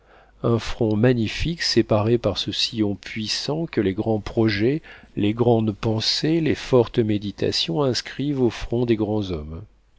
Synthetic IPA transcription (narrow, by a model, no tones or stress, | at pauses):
ɛ̃fχɔ̃maɲifiksepaʁepaʁsəsijɔ̃pɥisɑ̃kəleɡʁɑ̃pχɔʒɛleɡʁɑ̃d̪pɑ̃selefɔʁt̪med̪it̪a̰sjɔ̃ɛ̃skχivofχɔ̃d̪eɡʁɑ̃zɔm